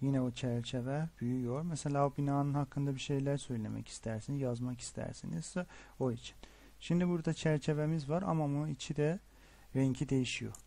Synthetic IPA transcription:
jinɛot͡ʃʰæɾt͡ʃʰe̞vɛbyjyjoɾmɛse̞lʲaːobinaːnɯnhakʰːɯnd̪abiʃe̞jlʲæɾsø̞jlʲe̞̰mʔɛ̰cʰi̥st̪ʰæɾsinizjazmaki̥st̪ʰæ̰ɾsiniz̥o̞it͡ʃʰi̥n | ʃimd̪ibuɾd̪at͡ʃʰæɾt͡ʃʰe̞ve̞mizvaɾa̰mamunuit͡ʃʰid̪ɛ | ɾɛɲcʰid̪e̞jiʃijo̰

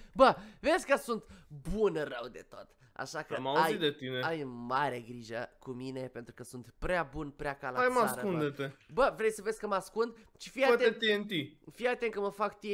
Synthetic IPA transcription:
bəvesʲkəsunt̪bunɨrəwd̪e̞̰t̪o̞̰t̪ | a̰ʃakəmauazit̪d̪et̪ineajmaɾeɡɾiʒəkumine̞pe̞nt̪ɾukəsunt̪pɾeabunpɾeakalaajmasɾund̪et̪ebəvɾe̞jsəvesʲkəmaskund̪t͡ʃifiat̪eet̪ient̪ifijat̪eŋkəməfakt̪i

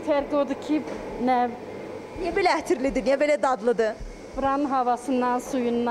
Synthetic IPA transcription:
t̪ʰæɾkod̪ucʰinɛ | nijɛbelʲɛæht̪ʰiɾlʲid̪ynjɛbelʲɛd̪ad̪lˠɯd̪ɯ | bɾanɦavasɯnd̪ansujund̪

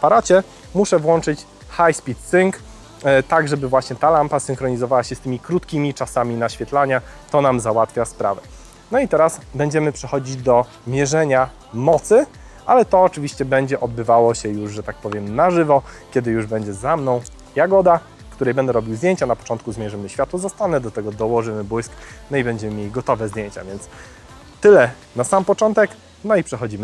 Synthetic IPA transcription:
apaɾat͡ɕɛ | muʂɛvwɔnt͡ʂɘt͡ɕ | xajspʲit̪siŋk | t̪aɡʐɛbɘvwaɕɲɛt̪alampasɘŋkɾɔɲizɔvawaɕɛst̪ɘmʲikɾut̪kʲimʲit͡ʂasamʲinaɕfʲjɛt̪laɲat̪ɔnamzawat̪fʲjaspɾa̰vɛ | nɔit̪ɛɾasbɛɲd͡ʑɛmɘpʂɛxɔd͡ʑid͡ʑd̪ɔ | mʲjɛʐɛɲa | mɔt̪sɘ | ʔalɛt̪ɔːt͡ʂɘvʲiɕt͡ɕɛbɛɲd͡ʑɛʔɔd̪̚bɘvawɔɕɛjuʐʐɛt̪ak̚pɔvʲjɛmnaʐɘvɔkʲjɛd̪ɘjuʐbɛɲd͡ʑɛzamnɔ̃w̃ | jaɡɔd̪a | kt̪uɾɛjbɛnd̪ɛɾɔbʲiwzd̪jeɲt͡ɕanapɔ̥tɔnt̪̚kuzmʲjɛʐɘmɘɕfʲjat̪wɔzɔst̪anɛd̪ɔt̪ɛɡɔd̪ɔwɔʐɘmɘbwujsknɔibɛɲd͡ʑɛmɘmʲjelʲiɡɔt̪ɔvɛzd̪ʲjeɲt͡ɕa̰vʲjɛnt̪s | t̪ɘlɛ | nasampɔt͡ʂɔnt̪ɛk | nɔipʂɛxɔd͡ʑimɘ

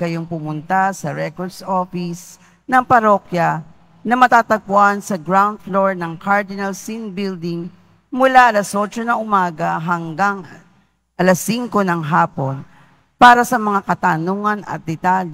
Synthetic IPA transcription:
kɐjoŋpʊmʊnt̪asɐɹɛkoɹd̪sʔofɪs | nɐŋpɐɾo̞kjɐ | nɐmɐt̪aːt̪ɐɡ̚pʊʔansɐɡɹawnd̪̚floɹnɐŋkaɹd̪ɪnɐlsinbild̪ɪŋ | mʊlaʔɐlɐso̞t͡ʃonɐʔʊmaːɡɐɦɐŋɡaŋ | ʔɐlɐsːiŋko̞nɐŋɦaːpo̞n | paːɾɐsɐmɐŋakɐt̪anoŋɐnɐ̰t̪̚d̪ɛt̪al

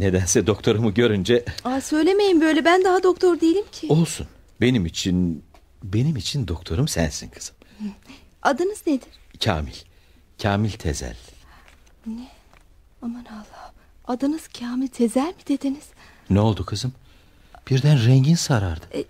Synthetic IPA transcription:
ne̞d̪ænsɛd̪o̞kt̪ʰo̞ɾumuɟø̞ɾynd͡ʒɛasø̞jlʲe̞me̞jimbø̞jlʲɛbænd̪aɦad̪o̞k̚t̪ʰo̞ɾd̪ejelʲimcʰio̞lˠsun | be̞nimit͡ʃʰin | be̞nimit͡ʃʰind̪o̞k̚t̪ʰoɾumsæ̰nsḭnkʰɯ̥z̥ɯm | ad̪ɯnɯzned̪iɾ̥cʰa̰ːmilʲ | cʰaːmilʲt̪ʰḛzæ̰lʲ | nɛ | amanalˠːa | ad̪ɯnɯz̥cʰaːmilʲt̪ʰe̞zælʲmid̪e̞d̪iniz̥ | nɛolˠd̪ukʰɯzɯm | b̥iɾd̪ænɾɛɲɟinsaɾaɾd̪ɯ

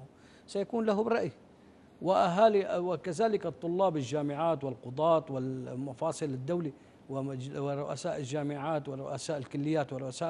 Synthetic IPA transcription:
sajakuːnlaɦʊbɾˤɑʔj | wɪʔaɦaːliwɪkazaːlɪkɨt̪ˤːʊlːɑːbɪld͡ʒaːmɪʕaːt̪wɪlqʊd̪ˤɑːt̪ˤwɪlmɑfɑːsˤɨlɪd̪ːawli | wɪɪɾˤʊʔa̰saːʔɪlʒːaːmɪʕaːt̪wɪɾˤʊ̰ʔasaːʔɪlkʊlːɪjːaːt̪wɪɾˤʊʔasaː

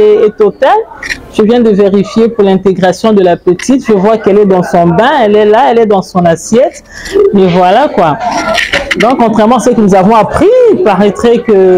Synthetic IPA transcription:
eːt̪ɔt̪alʒ̥əvjɛ̃d̪əveʁifjepuʁlɛ̃t̪eɡʁasjɔ̃d̪əlapət̪it̪ʒəvwakɛlɛd̪ɑ̃sɔ̃bɛ̃ɛlɛlaɛlɛd̪ɑ̃sɔ̃nasjɛt̪ | mɛvwalakwa | d̪ɔ̃kkːɔ̃t̪χɛʁmɑ̃asəkənuzavɔ̃apχiipaʁɛt̪χɛkə

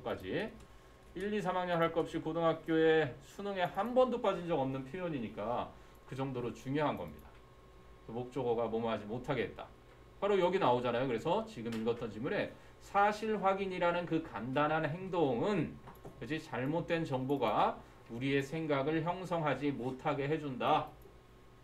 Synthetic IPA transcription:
k͈ad͡ʑi | iʎːisʰamaŋɲʌnɦaɭk͈ʌp̚ɕ͈ikodoŋɦak̚k͈joe̞sʰunɯŋe̞hambʌndop͈ad͡ʑind͡ʑʌɡʌmnɯnpʰjojoɲiɲik͈a | kɯd͡ʑʌŋdoɾot͡ɕuŋjoɦanɡʌ̰mɲida | komok̚t͡ɕ͈ʌɡʌɡamomaɦad͡ʑimotʰaɡe̞ɦet̚t͈ḁ̰ | paɾojʌɡinaod͡ʑanajokɯɾe̞sʰʌt͡ɕiɡɯmiɭɡʌt͈ʌnt͡ɕimuɾe̞ | sʰaɕʰiɭɸwaɡiɲiɾanɯnkɯkandanɦanɦe̞ŋdoŋɯnked͡ʑit͡ɕaɭmot̚t͈went͡ɕʌŋboɡa | uɾie̞sʰe̞ŋɡaɡɯɭçjʌŋs̬ʰʌŋɦad͡ʑimotʰaɡe̞ɦe̞d͡ʑunda

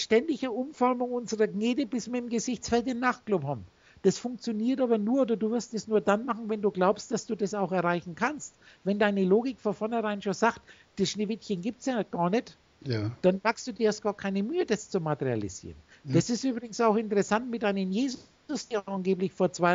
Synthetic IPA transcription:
ʃtɛndɪçəʔʊmfɔɐmʊŋʔʊnzəʁɐɡneːdəbɪsv̥iːɐɪmɡəzɪçt͡sfɛltɪmnaχ̚ɡ̥lʊphaːbn | d̥asfʊŋk̚t͡sjoniːɐtʔaːbɐnuːɐʔoːdɐduːvɪɐstɛsnuːɐdanmaχn̩vɛnduːɡlaʊpstd̥asd̥uːdasaʊxɛɐʁaɪçn̩kʰanstvɛndaɪnəloːɡɪkfɔnfɔɐnhɛʁaɪnʃoːnzaːkt | d̥asʃneːvɪtçənɡiːp̚tt͡sjaːɡ̥aːɐnɛt | d̥anmakstd̥uːdiːhast̚ɡ̥aːɐkʰaɪnəmyːədast͡sumatəʁia̰lḭz̥ḭːʁən | d̥asɪstʔyːbʁɪɡŋ̩saʊxɪntəʁɛsantmɪt̚dʔaɪnənjeːz | ʊsd̥iːanɡeːplɪçfoːɐt͡sv̥aɪ

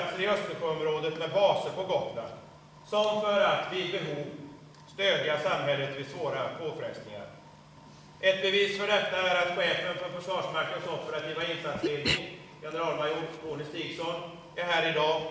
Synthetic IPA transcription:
t̪səɾɪœst̪əɧøɔmɾoːd̪ət̪mɛd̪bɑːsəɾpɔɡɔt̪lan | sɔmfœɾat̪vɪbɛɦuːv | st̪øːd̪ɪasamɦɛlːət̪vɪsvoːɾapoːfɾɛst̪nɪŋa̰ɾ | ʔɛt̪̚bɛviːsfœɖɛt̪ːaæɾat̪ɧeːfənfœɾfœʂvɑːʂmaɾknəsɔpːəɾat̪ʰiːvaɪnsat̪sleːd̪nɪŋ | jɛnəɾɑːlmajuːʈkuːnɪst̪iːɡsɔn | ɛɾɦæːɾɪd̪ɑː

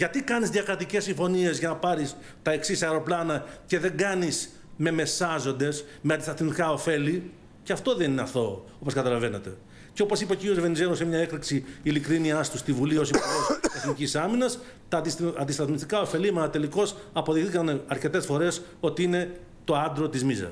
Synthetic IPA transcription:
ʝɐt̪ikɐnizðʝɐkɾɐt̪ice̞sːiɱfo̞nie̞zʝɐnɐpɐɾis | t̪ɐe̞ksisɐeɾo̞plɐnɐce̞ðe̞ŋɡɐnis | me̞me̞sɐzo̞nd̪e̞s | meɐnd̪ist̪ɐθmist̪ikɐo̞fe̞li | ceɐft̪o̞ðe̞nineɐθo̞̰o̞po̞skɐt̪ɐlɐve̞net̪e̞ | ceo̞po̞sipɐociɾio̞zve̞nizelosemɲɐe̞kt̪ɐksiilikɾiniɐst̪ust̪ivulio̞sipuɣost̪ɐθnicisɐminɐs | t̪ɐd̪isɐnd̪ist̪ɐθmist̪ikɐo̞fe̞limɐt̪ɐt̪e̞liko̞sɐpoðixθikɐnɐɾce̞t̪e̞sfo̞ɾe̞s | o̞t̪iine̞ | t̪o̞ɐnd̪ɾot̪izmizɐ̰s

